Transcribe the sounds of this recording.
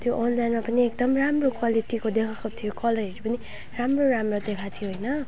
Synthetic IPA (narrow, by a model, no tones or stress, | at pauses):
t̪joʔonlajnmapʌniekd̪ʌmramrokwaliʈikod̪ekʰakot̪ʰijokʌlʌɾieʈipʌni | ramroɾamrod̪ekʰat̪ʰijoɦojnʌ